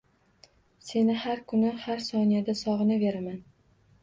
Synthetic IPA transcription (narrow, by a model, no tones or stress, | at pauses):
se̞nɪhaɾkʰʊnɪhaɾsɒnijad̪asɒʁɨnɪveɾaman